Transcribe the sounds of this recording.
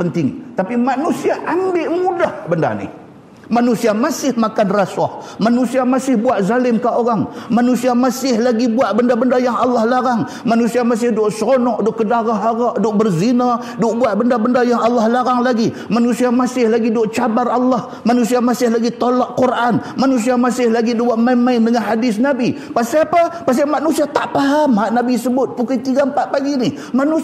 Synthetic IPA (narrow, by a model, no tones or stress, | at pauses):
pənt̪ɪŋt̪apimanusiaʔambɪʔmudahbənda̰nɪ̰h | manusiamasɪhmakanrasahmanusiamasɪhbuaʔ̪̚zalɪmkaoɾaŋmanusiamasɪhlaɡibuaʔ̪̚bəndabəndajaŋɑlːahlaɾaŋ | manusiamas̬ɪhdʊʔsonɔʔdʊʔkədaɣaɦaɣaʔdʊʔbərzina | dʊʔbuat̪̚bəndabəndajaŋɑlːahlaɾaŋlaɡi | manusiamasɪhlaɡidoʔt͡ʃabarɑlːah | manusiamasɪhlaɡit̪olɔʔkurʔanmanus̬iamasɪhlaɡidowaʔmaɪnmaɪndəŋanɦadɪsnabi | past̪iapapast̪iaʔmanusiat̪aʔpaɦamaʔnabisəbʊt̪̚pukait̪iɡampaʔpaɡinɪ | manu